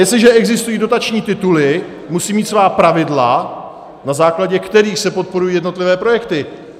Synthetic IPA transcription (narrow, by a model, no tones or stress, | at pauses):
jɛstlɪʒɛʔɛɡzɪst̪ujiːdo̞t̪at͡ʃɲiːt̪ɪt̪ulɪ | musiːmiːt̪svaːpɾavɪdla | nazaːklaɟɛkt̪ɛɾiːxsɛpo̞t̪̚po̞ɾujiːjɛdno̞t̪lɪvɛːpɾo̞jɛkt̪ɪ